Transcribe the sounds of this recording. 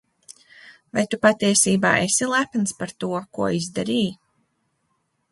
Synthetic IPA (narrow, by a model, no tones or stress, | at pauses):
vajt̪upat̪iɛsiːba̰ːʔesilˠæpnspaɾt̪uɔkuɔizd̪aɾiː